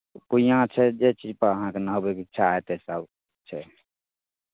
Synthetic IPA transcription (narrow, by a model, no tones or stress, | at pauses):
kuijãt͡ʃʰɛd͡ʒet͡ʃid͡ʒpəɾəɦãkenəɦobekitːʃʰaet̪esəb | t͡ʃʰɛ